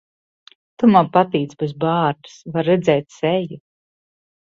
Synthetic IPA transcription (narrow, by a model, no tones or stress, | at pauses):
t̪umapat̪iːt̪sbezbaːɾt̪ɨ̥svaɾːɛd̪zɛjt̪sɛju